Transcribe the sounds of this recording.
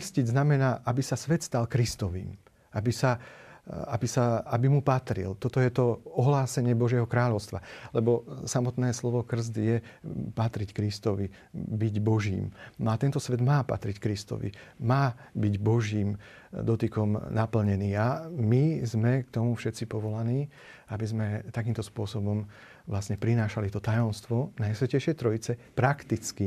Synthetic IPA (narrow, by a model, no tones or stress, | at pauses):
krsciznamɛnaːʔabisasʋɛt̪st̪alkɾist̪ɔʋḭːm | abisa | abisaabimupat̪ɾḭlt̪ɔt̪ɔjɛt̪ɔɔɦlaːsɛɲɪɛbɔʒɪɛɦɔkɾaːʎɔʊst̪ʋa̰lɛbɔsamɔt̪nɛːslɔʋɔkr̩z̬d̪jɛpat̪ɾickɾist̪ɔʋi | biɟbɔʒḭːmat̪ɛnt̪ɔsʋɛd̪maːpa̰t̪ɾickɾist̪ɔ̰ʋḭmaːbiɟbɔʒiːm | d̪ɔt̪ikɔmnapl̩ɲɛniːamizmɛkt̪ɔmufʃɛt̪t͡sipɔʋɔlaniː | abizmɛt̪ak̬iːmt̪ɔspʊɔsɔbɔm | ʋlasɲɛpɾinaːʃalit̪ɔt̪ajɔmst̪ʋɔnajsʋɛcɛjʃɪɛjt̪ɾɔjit͡sɛpɾakt̪it͡ski